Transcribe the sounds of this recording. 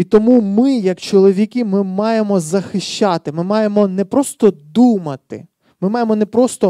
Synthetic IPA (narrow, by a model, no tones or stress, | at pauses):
it̪ɔmumɪjɐkt͡ʃɔlˠɔʋʲikʲimɪmɑjemɔzɐxɪʃʲt͡ʃɑt̪ɪmɪmɑjemɔnɛpɾɔst̪ɔd̪umɐt̪ɪ̰ | mɪmɑjemɔnɛpɾɔst̪ɔ